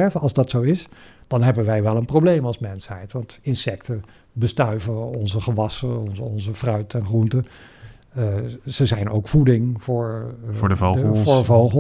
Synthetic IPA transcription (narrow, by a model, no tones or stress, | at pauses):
ɛɹvəɑlˠzdɑtsowɪsd̥ɑnɦɛbənʋɛjʋɛlˠənprowblejmɑlˠsmɛnsɦɛjtʋɑntɪnsɛktə | bəstœɥvəɔnzəχəʋɑsənɔnzəfrœɥtɛnχruntə | z̥əzɛjno̰wkfudɪŋvʊːɹdəoɹdəvowχə